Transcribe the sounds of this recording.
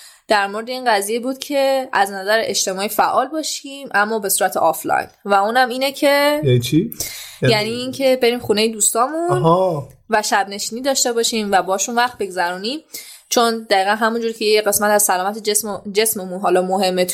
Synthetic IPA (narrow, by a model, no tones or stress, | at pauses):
d̪̥æɾmo̞ɾed̪e̞iːnɢæziːje̞buːd̪̥̚cʰe̞æznæzæɾeʔeʃt̪e̞mɒːifæʔɒːlbɒːʃimæmːɒːbe̞suːɾæt̪ʰḛʔɒflɒ̰jnvæuːnæmiːnecʰe̞it͡ʃʰijæniːncʰe̞be̞ɾiːmxunejed̪uːst̪ɒːmunvæʃæbne̞ʃiːniːd̪ɒːʃt̪e̞bɒʃiːmvæbɒʃunvæχt̪̚be̞ɡzæɾuːniːm | t͡ʃʰo̞nd̪æiːɣænɦæmund͡ʒuːɾkcʰe̞jeeɢe̞smæt̪æz̥sælɒːmæt̪ʰeesd͡ʒe̞sme̞munɦɒːlɒːmoɦe̞mːet̪ʰ